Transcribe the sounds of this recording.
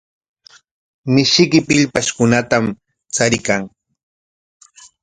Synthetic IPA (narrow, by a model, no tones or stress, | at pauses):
mɪʃɪkɪpɪʎpaʃkʊnat̪am | t͡saɾɪkaŋ